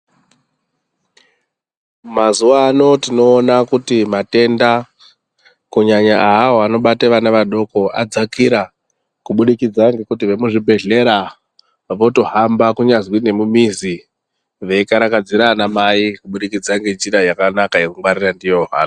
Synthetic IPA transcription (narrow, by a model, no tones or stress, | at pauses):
mazuʋaːno̞tino̞ːnakutimate̞nda | kuɲaɲaawo̞ano̞ɓateʋanaʋaɗo̞ko̞a̰d͡zakiɾa | kuɓuɗikid͡zaŋɡe̞kut̬iʋe̞muʐibʱe̞ɮe̞ɾa | ʋo̞to̞ɦambakuɲazwine̞mumizi | ʋe̞ikaɾakad͡ziɾanamaikuɓuɗikid͡zaŋɡe̞d͡ʒirajakanakaje̞kuŋwaɾirandijoɦa̰no